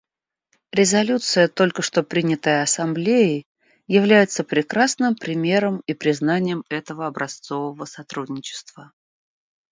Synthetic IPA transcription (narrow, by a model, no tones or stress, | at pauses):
ɾʲɪzɐlʲut̪sɨjət̪o̞lʲkəʂt̪o̞pɾʲinʲɪt̪əjəɐsɐmblʲejɪ | jɪvlʲæjɪt̪səpɾʲɪkɾasnɨmpɾʲɪmʲe̞ɾəmipɾʲɪznanʲɪjəmɛt̪əvəɐbɾʔɐst̪so̞vəvəsɐt̪ɾudʲnʲɪt͡ɕɪ̥st̪v̥ə